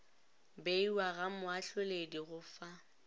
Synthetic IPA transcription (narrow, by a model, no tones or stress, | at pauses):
beiwaɣamʊaɬwelediɣʊfa